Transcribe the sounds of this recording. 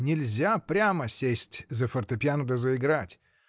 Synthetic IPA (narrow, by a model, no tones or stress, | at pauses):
nʲɪlʲzʲapɾʲaməsʲesʲtʲzəfərt̪ɐpʲjand̪əzəɪɡɾatʲ